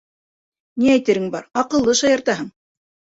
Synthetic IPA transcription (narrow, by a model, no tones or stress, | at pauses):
niæjt̪ɘ̆ɾɘŋbɑɾɑqɤ̆lˠːɤʃɑjɑ̆ɾt̪ɑɦɤɴ